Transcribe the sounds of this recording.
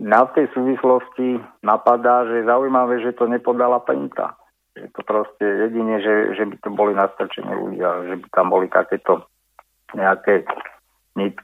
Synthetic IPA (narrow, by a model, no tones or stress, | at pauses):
naft̪ɛjsuːʋislɔscinapad̪aːʒɛjɛzaujmaʋɛːʒɛt̪ɔɲɛpɔd̪alapɛnt̪a̰ | ʒɛt̪ɔpɾɔscɛjɛɟiɲɛʒɛʒɛbit̪ɔbɔlinast̪r̩t͡ʃɛ̰nɛ̰lṵɟɪaʒɛbit̪ambɔlit̪a̰kɛːt̪ɔ | ɲɛakɛː | ɲit̪